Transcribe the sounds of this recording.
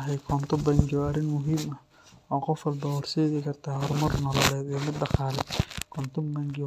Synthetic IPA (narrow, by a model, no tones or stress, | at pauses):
ɦɛjkʰɔnt̪ʰɔbɐŋɡɪɔɐɾɪnmʊɦiːmɐ | ɔːqɔfɐlbɔwɔrsɛːɣɪkʰɐrt̪ʰaːɦɔɾmɐrnɔlɔlɛːd̪ɛːmɪd̪ɖɑqaːlɛkʰɔnt̪ʰʊmbɐŋɡɪ